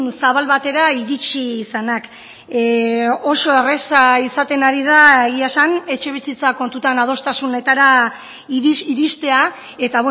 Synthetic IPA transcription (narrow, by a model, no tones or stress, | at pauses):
nsaβalβat̪e̞ɾaiɾit͡ʃisanak | o̞so̞eresaisat̪e̞naɾið̞aeɣiasane̞t͡ʃe̞β̞isit͡sako̞nt̪ut̪anað̞o̞st̪asune̞t̪aɾa | iɾist̪e̞a | e̞t̪aβ